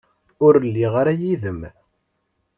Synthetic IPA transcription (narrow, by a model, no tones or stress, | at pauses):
ʊɾəlːiʁaɾæjiðəm